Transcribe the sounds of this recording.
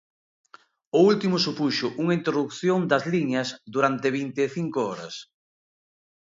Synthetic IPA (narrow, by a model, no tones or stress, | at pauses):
ʊult̪imʊsupuʃʊʔuŋɐint̪ɾoðukθjond̪ɐzliɲɐsd̪uɾant̪eβint̪eːθiŋkoɔɾɐ̰s